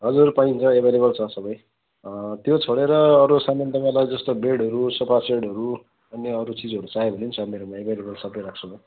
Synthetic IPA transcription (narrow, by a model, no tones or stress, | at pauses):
ɦʌd͡zuɾpaĩnt͡sʰʌebʱeleβʌlt͡sʰʌsʌbʌj | t̪jot͡sʰʌɽeɾʌːɾusamʌnd̪ʌɡalajd͡zʌst̪obeɽʌɾusʌpʰaseɽʌɾu | ʌnːeʌɾut͡sid͡zʌɾut͡saebʱʌnint͡sʰʌmeɾomaebʱelebʌlsʌbʌjɾak̚t͡sʰʌa